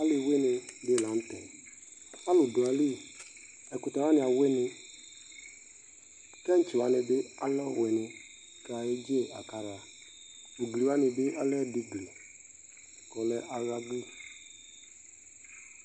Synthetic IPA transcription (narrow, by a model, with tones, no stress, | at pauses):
a˦lɪ˨we˦nɪ˨dɪ˦˨la˨n̩˦tɛ˨ | a˦lʊ˨dʊ˨a˨li˦˨ | ɛ˨kʊ˨ta˨wa˦nɪ˨a˨we˦nɪ˦ | kɛ˦n̩˦t͡ʃi˨wa˨nɪ˨bɪ˦a̰˦lɔ˦˨we˨nɪ˨ | ka˨a˨je˦d͡ʒe˦a˨ka˨˦ɾa˨ | u˨ɡli˨wa˦nɪ˨bɪ˦ʔa˦lɛ˦di˨ɡli˨ | kɔ˨lɛ˦ʔa˨ɾa˦ɡli˦